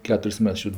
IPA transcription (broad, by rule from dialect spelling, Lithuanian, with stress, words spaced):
ˈkʲæːtʊrʲsʲ ˈmʲɛts ˈt͡ʃʲuːtʲ